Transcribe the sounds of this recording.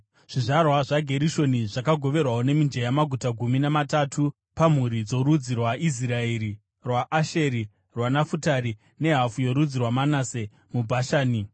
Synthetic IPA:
ʐ̥iʐarwaʐaɡʱe̞ɾiʃo̞niʐakaɡʱo̞ʋe̞rwaone̞mind͡ʒejamaɡʱutaɡʱuminamatatʰu | pam̤uɾid͡zo̞ɾud͡zirwaʔis̬iraeɾi | rwaʔːʃeɾi | rwanafutaɾi | ne̞ɦafujo̞ɾud͡zirwamanase̞ | mubʱaʃaːni

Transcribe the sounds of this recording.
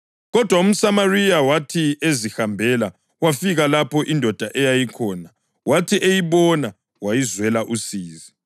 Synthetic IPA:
ɣɔd̥ʱwaum̩samarijawatʰiezihambʱɛla | wafiɣalapʰɔʔindʱɔd̥ʱaʔɛjajikʰɔːna | watʰiʔejiβɔna | wajizwɛlaʔusiːzi

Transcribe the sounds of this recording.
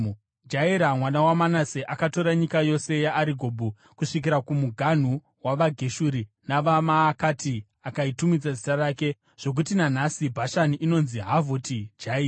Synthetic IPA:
d͡ʒaiɾamwanawamanaseʔakato̞ɾaɲikajo̞se̞jaʔːɾiɡʱo̞bʱu | kuʂik̬iɾakumuɡʱan̤u | waʋaɡʱe̞ʃuɾi | naʋamaːkati | akaitumid͡zad͡zitaraːke̞ | ʐ̥o̞k̬utinan̤asibʱaʃaniʔino̞nziɦavotid͡ʒaiːra

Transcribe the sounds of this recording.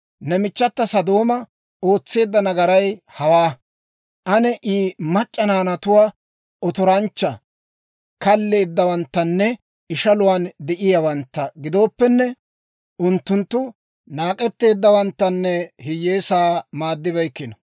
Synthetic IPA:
nɛmɪt͡ʃːɐt̪ːɐsɐd̪o̞ːmɐ | o̞ːt͡sːe̞ːd̪ːɐnɐɡɐɾɐjhɐwaː | ʔɐnɛʔiːmɐt͡ʃʼːɐnaːnɐt̪ʊwaː | ʔɔt̪ɔɾɐnt͡ʃːɐ | kɐlːe̞ːd̪ːɐwɐnt̪ːɐnːɛ | ɪʃɐlʊwaːnd̪ɛʔɪjawɐnt̪ːɐɡɪd̪o̞ːpːɛnːɛ | ʊnt̪ːʊnt̪ːʊ | naːkʼɛt̪ːe̞ːd̪ːɐwɐnt̪ːɐnːɛhɪjːeːsaːmaːd̪ːɪbɐjkːɪnɐ

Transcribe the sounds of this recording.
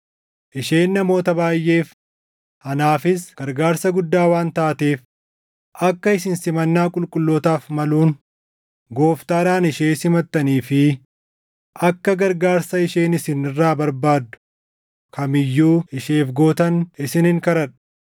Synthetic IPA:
ʔɪʃe̞ːnːɐmo̞ːt̪ɐbaːjːe̞ːf | hɐnaːfɪsɡ̥ɐɾɡaːɾsɐɡʊd̪ːaːwaːnt̪aːt̪e̞ːf | ʔɐkːɐɪs̬ɪnsɪmɐnːaːkʼʊlkʼʊlːoːt̪aːfmɐluːn | ɡo̞ːft̪aːɾaːnɪʃeːsɪmɐt̪ːɐniːfɪ | ʔɐkːɐɡɐɾɡaːɾsɐɪʃe̞ːnɪsɪnɪrːaːbɐɾbaːd̪ːʊ̥ | kʰɐmɪjːuːɪʃe̞ːfɡo̞ːt̪ɐnɪsɪnɪŋkɐɾɐᶑ

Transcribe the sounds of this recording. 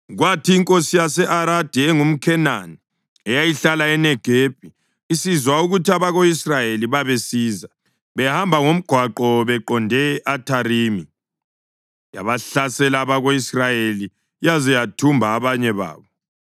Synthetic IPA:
ɣwatʰiːŋkʼosijasɛʔaɾad̥ʱɛɛŋum̩kʰɛnani | ɛjajiɬalaɛnɛɡ̥ʱep̚ʼi | isizwauɣutʰiaβaɣoisrajeliβaβesiːza | βɛhambʱaŋom̩ɡ̥ʱwaǃɔβɛǃɔndʱɛʔatʰariːmi | ja̰βaɬasɛlaːβaɣoisrajeli | jazɛjatʰumbʱaːβaɲɛβa̰ːβɔ

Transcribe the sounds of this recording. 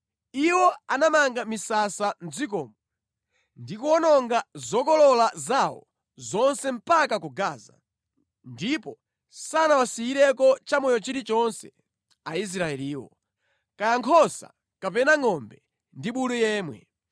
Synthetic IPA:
iwɔanamaŋɡamisasan̩d͡zik̬ɔːmɔ | ndikuɔnɔŋɡazɔkɔlɔlazawɔ̰ | zɔnsɛm̩pakakuɡaːza̰ | ndipɔ | sanawasiiɾɛkɔt͡ʃamɔjɔt͡ʃiɾit͡ʃɔnsɛ̰ | ais̬ɾaɛliːwɔ̰ | kajaŋkʰɔsa̰ | kapɛnaŋɔmbɛ | ndiɓuɗujɛːmwɛ̰

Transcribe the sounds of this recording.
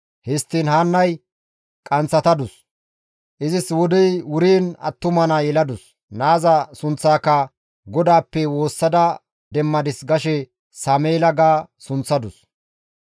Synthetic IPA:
hɪst̪ːiːnhaːnːɐj | kʼɐnt͡sːɐt̪ɐd̪ʊs | ʔɪzɪswɔd̪ɛjwʊɾiːnɐ̰t̪ːʊmɐnajɛlɐd̪ʊs | naːzɐsʊnt͡sːaːkːɐ | ɡɔd̪aːpːɛwo̞ːsːɐd̪ɐ | d̪ɛmːɐd̪ɪsɡɐʃɛ | saːmeːlɐɡaːsʊnt͡sːɐd̪ʊs

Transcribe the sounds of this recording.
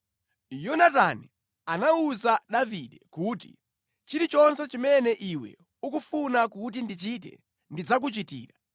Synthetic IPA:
jɔnata̰ni | anauzaɗaviɗɛkuːtḭ | t͡ʃiɾit͡ʃɔnsɛt͡ʃimɛnɛʔiwɛ̰ | ukufunakut̬indit͡ʃit̬ɛ̰ | ndid͡zak̬ut͡ʃitḭːɾa

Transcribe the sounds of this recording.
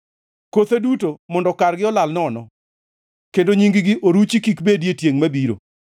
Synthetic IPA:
kot̪edutomɔndɔkarɡɪɔlalnɔnɔ | kendoɲiŋɡɪɡɪʔoɾut͡ʃikikbedjetjeŋmabiɾo̰

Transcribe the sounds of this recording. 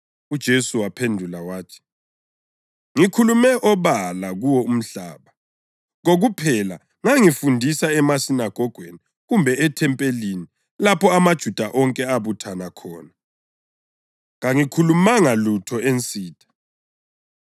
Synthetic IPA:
ud̥ʒ̥ʱesuwapʰendʱulawaːtʰi̥ | ŋikʰulumɛʔɔβalaɣuwɔum̩ɬa̰ːβa | ɣoɣupʰɛla̰ | ŋaŋifundʱisaɛmasinaɡ̥ʱɔɡ̥ʱweni | ɣumbʱɛɛtʰɛmpʼelini | lapʰɔamad̥ʒ̥ʱud̥ʱaʔɔŋkʼɛaβutʰanakʰɔːna | ŋaŋikʰulumaŋalutʰɔent͡sʼiːtʰʼḁ

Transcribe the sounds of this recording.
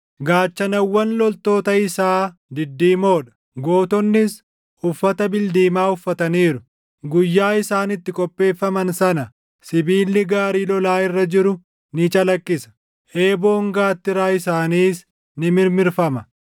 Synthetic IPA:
ɡaːt͡ʃːɐnɐwːɐnlɔlt̪o̞ːt̪ɐɪsaːd̪ɪd̪ːiːmo̞ːᶑɐ̥ | ɡo̞ːt̪ɔnːɪs | ʊfːɐt̪ɐbɪld̪iːmaːʊfːɐt̪ɐniːɾʊ | ɡʊjːaːɪsaːnɪt̪ːɪkʼɔpʼːe̞ːfːɐmɐnsɐnɐ | sɪbiːlːɪɡaːɾiːlɔlaːɪrːɐd͡ʒɪɾʊ | nɪt͡ʃʼɐlɐkʼːɪsɐ̥ | ʔe̞ːbo̞ːŋɡaːt̪ːɪɾaːɪsaːniːs | nɪmɪɾmɪɾfɐmɐ

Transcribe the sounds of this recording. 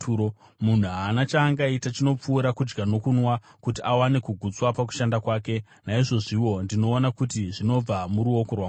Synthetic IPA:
o | mun̤uanat͡ʃaːŋɡaitat͡ʃino̞p͡fuːɾakud͡ʒɡano̞kunwa | kutiʔawane̞kuɡʱut͡swapak̬u̥ʃandakwaːke̞ | naiʐo̞ʐiwo̞ndino̞ːnakutiʐino̞b͡vamuɾuo̞korwa

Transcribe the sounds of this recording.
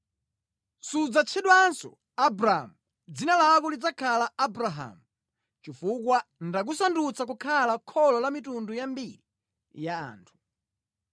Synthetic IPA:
sud͡zat͡ʃʰɛɗwansɔ̰ | abɾamu | d͡zinalakɔlid͡zakʰalaabɾaɦa̰mu | t͡ʃifukwandak̬usandut͡sak̬ukʰalakʰɔlɔlamitundujambiɾi | ja̰ːntʰu̥

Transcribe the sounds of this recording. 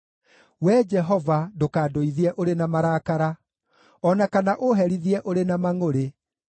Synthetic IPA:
wɛd͡ʒɛɦɔvadokaːdoiðiɛʔoɾenamaɾaːkaɾa | ɔnakanaʔoɦɛɾiðiɛʔoɾenamaŋoɾe

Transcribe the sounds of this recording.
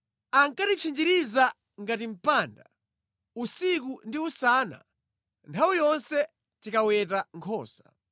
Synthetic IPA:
aŋkatit͡ʃʰind͡ʒiɾiza | ŋɡatim̩paːnda̰ | usikundiusaːna̰ | ntʰawijɔnsɛ | tikawɛtaŋkʰɔːsḁ

